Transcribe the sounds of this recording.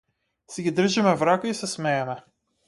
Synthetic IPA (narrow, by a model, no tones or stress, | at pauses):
sɛɡʲid̪r̩ʒimɛvɾakaisɛsmɛɛmɛ